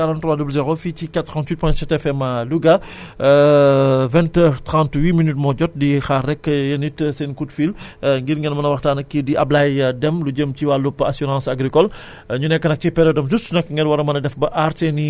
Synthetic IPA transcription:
aɾãnttːɾwaːdublzɛʁofiikat̪ːɾɑ̃ntwit̚pwɛ̃sɛtɛfɛmaluɡa | vɛ̃ntɛːʁtʁɑ̃ntwiːminytmɔɟɔt̚dixarɛkːjɐnitsɛnkutfilŋɡiɾŋɡɛnmɐnɐwɐxtaːnɐkːidiʔɐ̰blajdɛmluɟəmciwalupːasyɾɑ̃ːsaɡɾikɔl | ɲunɛkːənɐk̚cipɛɾjɔdɐmzustunɐkŋɡɛlwɐɾɐmɐnɐdɛfbɐʔaɾteni

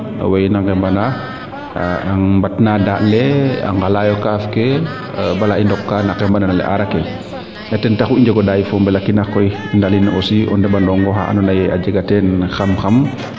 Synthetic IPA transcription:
wajnaŋɡɛmbana | aŋmbatnadaːʔlɛa̰ŋɡalajɔkafkɛ | balaʔindɔkːanakɛmbananalɛ̰ʔa̰ɾakɛ | ɛtɛntaxuiɲd͡ʒɛɡɔdajifɔmbɛlakːinaxkɔj | ndalinʔɔsiʔɔ̰ndɛbandɔŋɡɔxa̰a̰nɔnaja̰d͡ʒɛɡatɛnxamxam

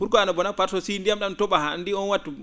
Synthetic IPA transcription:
buɾkɔanɔbɔnapaɾsɔsindijamɗantɔɓaha̰ndiɔnwatːu

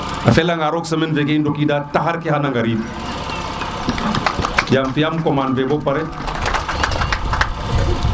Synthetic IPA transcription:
afelaŋɡaɾoksɐminvekendokidataɦaɾkihanaŋɡaɾi | jamfijamkomanvebopaɾe

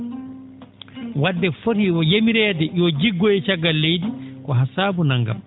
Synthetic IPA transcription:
wadːɛfoɾiwɔjemiɾɛːdɛjɔd͡ʒiɡːɔɛt͡ʃaɡːalːejdikɔɦasaːbunaŋɡa̰m

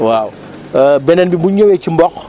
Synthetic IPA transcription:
waw | bɛnɛnbimbuɲɐwɛcimbɔk

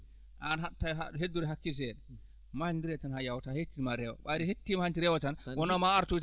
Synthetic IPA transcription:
ʔanɦaɗtːajɦaɗɦedːuɾɛɦakːisɛɗɛ | malndiɾɛtanhajawtahetːimaɾɛwɔ̰ɓaɾɛhetːimahant͡ʃiɾɛwɔtanwɔnɔmaaɾtu

